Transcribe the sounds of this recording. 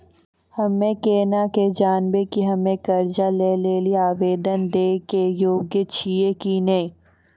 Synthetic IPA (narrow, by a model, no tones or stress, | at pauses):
hɐmẽkeːnaked͡ʒaːnbekiɦɐmẽkɐɾd͡ʒaleːleːliaːʋeːd̪ənd̪eːkejoːɡjət͡ʃʰiekinɐĩː